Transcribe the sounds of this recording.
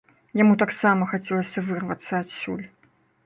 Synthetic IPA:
jamut̪aksamɐxat͡sʲɛlˠəsʲɐvɨrvɐt̪sːɐatsʲṵlʲ

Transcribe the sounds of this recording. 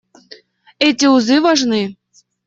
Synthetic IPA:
ɛtʲiuzɨvaʐnɨ

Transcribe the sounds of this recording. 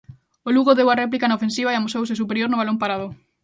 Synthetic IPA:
oluɣoðewarɛp̬likanaofẽnsiβ̞aeamusowsɪsupeɾjoɾnʊβalõmpaɾaðʊ

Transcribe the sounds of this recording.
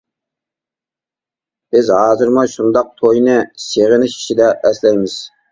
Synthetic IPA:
b̥ɪzɦɑːzɨɾmuʃund̪ɑq̚t̪ʰojnɨseʁɪnɪʃi̥ʃid̪ɛʔɛslɛjmɪz̥

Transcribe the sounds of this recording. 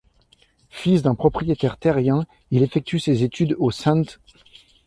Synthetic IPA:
fisd̪ɛ̃pχɔpχijet̪ɛʁt̪ɛʁjɛ̃ | ilefɛk̚t̪ysezet̪yd̪osɛ̃t̪

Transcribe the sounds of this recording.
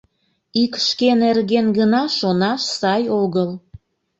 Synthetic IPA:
ikʃkenerɣenɣənɑʃonɑʃsɑjoɣəl

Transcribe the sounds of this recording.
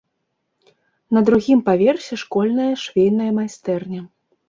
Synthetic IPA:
nɐd̪ɾuɣʲimpavʲɛrsʲɛʂkɔlʲnɐjɐʂvʲejnɐjɐmajst̪ɛrnʲɐ

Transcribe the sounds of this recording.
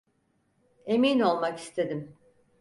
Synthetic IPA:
e̞mino̞lˠmaki̥st̪ʰe̞d̪im

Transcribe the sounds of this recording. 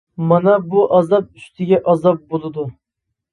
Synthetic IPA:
mɑnɛbuʔɑzɑp̚yst̪ʰɪɡʲɛʔɑzɑp̚bolˠɨd̪u

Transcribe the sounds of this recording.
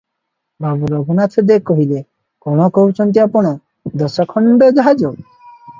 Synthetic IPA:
babuɾɔbunat̪ʰɔd̪ekɔɦile | kɔɽ̃ɔkɔɦut͡ʃʰɔnt̪̬iapɔɽ̃ɔ | d̪ɔsɔkʰɔɳɖɔd͡ʒɔɦad͡ʒɔɡ̚

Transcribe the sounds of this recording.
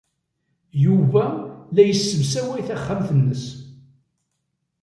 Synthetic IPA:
juvælæjəsːəvsæwæjθæχːamθənːəs

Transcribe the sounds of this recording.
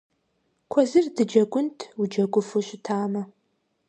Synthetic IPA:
kʷʰɔzɨrdɨd͡ʒɐɡʷʊntʰwud͡ʒɐɡʷʼʊfɨɕɪtʰaːmɐ

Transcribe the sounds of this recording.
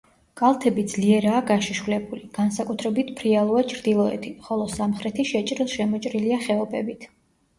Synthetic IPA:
kʼalˠt̪ʰɛbid̪zliɛɾaːɡaʃiʃvulɛbuliɡ̥ansakʼut̪ʰɾɛbit̪ʰpʰɾialˠuat͡ʃʰɾd̪ilˠɔɛ̰t̪ʰiχɔlˠɔsamχɾɛt̪ʰiʃɛt͡ʃʼɾilˠʃɛmɔt͡ʃʼɾiliaχɛɔpɛbit̪ʰ

